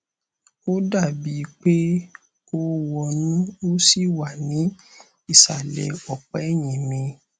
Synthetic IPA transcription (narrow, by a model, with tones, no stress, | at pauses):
o˦da˦˨bi˨˦˧k͡pe˦ | ko˦wɔ˧nĩ˦o˦si˦˨wa˨nĩ˨˦ | i˦˨sa˨lɛ̰˨ɔ˨k͡pɛ˨ɛ˦˨j̃ĩ˨mĩ˧